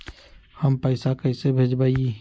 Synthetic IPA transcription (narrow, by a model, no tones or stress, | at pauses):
həmpəɪsakəɪsebʱed͡ʒbaii